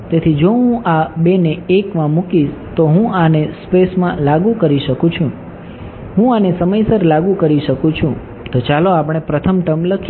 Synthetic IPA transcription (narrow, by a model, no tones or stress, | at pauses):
t̪et̪ʰid͡ʒoɦũʔabeneekmãmukiʃt̪oɦũanespesmãlaɡũkəɾiʃəkũt͡ʃʰũ | ɦũanesəməjsəɾlaɡukəɾiʃəkũt͡ʃʰũ | t̪ot͡ʃaloapɽ̃epɾət̪ʰəmʈəmləkʰ